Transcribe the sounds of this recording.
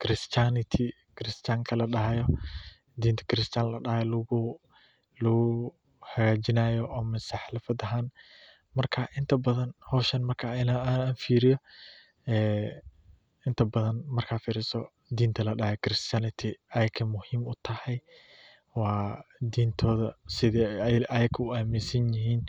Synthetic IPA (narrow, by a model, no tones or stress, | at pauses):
kʰɾɪst͡ʃ̪anɪt̪ʰɪ | kʰɾɪst̪aːŋkʰɐlɐɖɐɦjɔ | d̪iːnt̪ʰɐ̥kʰɪɾɪst̪ʰaːnlɐɖɐhɛl | lʊɣʊ | hɐɣaːd͡ʒɪnaːjɔʔɔːmɛsaħɪlɐfɐd̪ɐɦaːn | mɐrkʰɐʔɪnt̪ʰɐbɐðɐnhɔʃɐnmɐrkʰaːɪnaaːnfiːɾɪjɔ | ɛː | ɪnt̪ʰɐbɐðɐnmɐrkʰaːfiːɾɪsɔ | d̪iːnt̪ʰɐlɐɖɐhɛkʰɪɾɪst̪janɪt̪ʰɪɐjɐɡ̚kʰɐmʊhiːmʊt̪ʰɐhɛj | wɑːd̪iːnt̪ʰɔːðɐsɪðɛʔɐjɐɡ̚kʰɐʊaːmɪsɐnjɪɦiːn